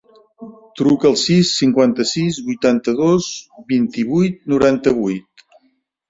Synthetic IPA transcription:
t̪ɾukəːlˠsisːiŋkwant̪əsizβujt̪ant̪əðozbint̪iβujt̪̚nuɾant̪əβujt̪

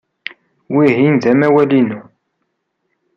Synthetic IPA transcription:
wiɦinðæmæwælinu

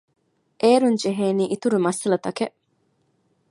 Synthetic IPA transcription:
ʔeːɾuɲd͡ʒeɦeːniːʔit̪uɾumɐsɐlɐt̪ɐkeʔ

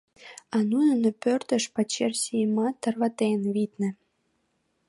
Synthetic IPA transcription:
ɑnunə̆nopørt̪ə̆ʃpɑt͡ɕersijəmɑt̪ːərβɑt̪enβit̪nə̆

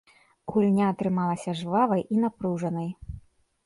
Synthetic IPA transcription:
ɣulʲnʲaːt̪ɾɨmalˠɐsʲɐʐvavɐjʔinapɾuʐɐnɐj

